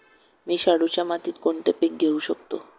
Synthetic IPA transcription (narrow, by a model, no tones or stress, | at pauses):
miʃaɽut͡ʃamat̪it̪koɳʈepik̚ɡewʃok̚t̪o